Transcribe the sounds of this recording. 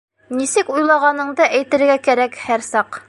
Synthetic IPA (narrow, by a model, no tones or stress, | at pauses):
nisɘkujlˠɑʁɑnɤ̆ɴd̪ɤʔæjt̪ɘ̆ɾɡækæɾækhæɾsɑq